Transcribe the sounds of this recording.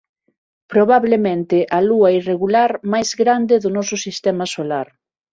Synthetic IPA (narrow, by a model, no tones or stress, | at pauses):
pɾoβaβlemẽnt̪ɪʔaluɐireɣulaɾmajzɣɾand̪ɪðʊnɔsʊsist̪ɛmasolaɾ